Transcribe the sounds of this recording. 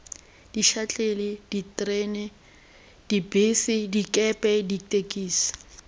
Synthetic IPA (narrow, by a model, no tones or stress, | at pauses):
d̥iʃat͡ɬʼelɪd̥itʼrɛːnɛ | d̥ibesɪdikʼɛpʼɛditʼekʼiːsḁ